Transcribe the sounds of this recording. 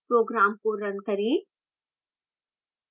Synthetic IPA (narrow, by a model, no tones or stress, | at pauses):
pɾoːɡɾaːmkoɾɐnkɐɾĩ